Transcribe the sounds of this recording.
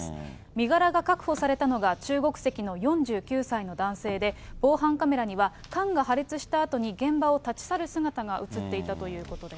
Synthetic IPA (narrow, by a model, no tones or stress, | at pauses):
s | mʲiɡaɾaɡakakɯ̟̥ho̞saɾe̞t̪ano̞ɡat͡ɕɨːɡo̞kɯ̟̥se̞kʲino̞jõ̞ɲd͡ʑɨːkʲɨːsaino̞d̪ãɰ̃se̞ːd̪e̞b̥o̞ːɦãŋkame̞ɾaɲ̟iβ̞a | kãŋɡaɦaɾʲit͡sɨɕi̥t̪aːt̪o̞ɲ̟iɡẽ̞mbao̞t̪at͡ɕi̥saɾɯ̟sɨɡat̪aɡaʔɯ̟t͡sɨt̪ːe̞it̪at̪o̞jɯ̟ːko̞t̪o̞d̪e̞s